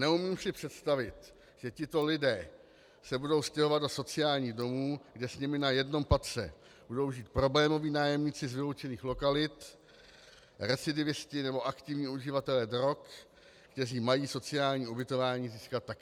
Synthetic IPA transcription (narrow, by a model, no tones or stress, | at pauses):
nɛumiːmpsɪpr̝̥ɛt̪st̪avɪt̪ | ʒ̥ɛcɪt̪o̞lɪdɛː | sɛbudo̞wscɛɦo̞vat̪do̞so̞t͡sɪjaːlɲiːɣdomuːɡdɛsɲɪmɪnajɛdno̞mpat̪t͡sɛ̰ | b̥udo̞wʒiːt̪̚pɾo̞blɛːmo̞viːnaːjɛmɲiːt͡sɪzvɪlo̞wt͡ʃɛniːxlo̞kalɪt̪ | ɾɛt͡sɪdɪvɪscɪnɛbo̞ʔakt̪ɪvɲiːuʒɪvat̪ɛlɛdɾo̞kː | t̪ɛriːmajiːso̞t͡sɪaːlɲiːubɪt̪o̞vaːɲiːziːskat̪ːakː